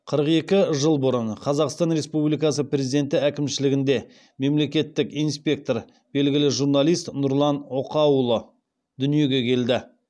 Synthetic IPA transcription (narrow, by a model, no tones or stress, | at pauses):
qʰəɾəqe̞kʲɪʒəlˠbʊɾənqʰɑzɑqst̪ɑnɾe̞spublijkɑs̬əpɾʲe̞zid̪e̞nt̪ɪækʲɪmʃɪlɪɡʲɪnd̪e̞ | me̞mle̞kʲe̞t̪ːɪkijnspʲe̞k̚t̪o̞ɾ | b̥e̞lɡʲɪlɪʒuɾnalˠijst̪nʊɾlˠɑnoqɑwlˠə | d̪̥ʏnije̞ɡʲe̞kʲʰe̞ld̪ɪ